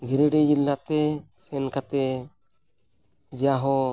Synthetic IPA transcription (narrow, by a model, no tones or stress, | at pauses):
ɡʱɛɾɛɖɛd͡ʒilːat̪ɛsɛnkat̪ɛ | d͡ʒaɦɔ